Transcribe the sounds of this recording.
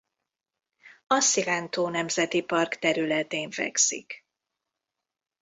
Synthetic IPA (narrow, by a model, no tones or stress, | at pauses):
ɒsilɛnt̪oːnɛmzɛt̪ipɒrkt̪ɛɾylɛt̪eːɱfɛ̰ksḭk